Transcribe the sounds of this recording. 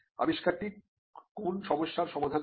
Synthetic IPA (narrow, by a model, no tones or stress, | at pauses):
a̰biʃkaɾʈi | konʃɔmoʃːaɾʃɔmad̪ʱa